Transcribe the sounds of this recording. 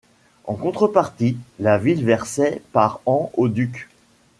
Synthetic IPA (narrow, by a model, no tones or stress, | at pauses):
ɑ̃kɔ̃t̪χəpaʁt̪ilavilvɛʁsɛpaʁɑ̃od̪yk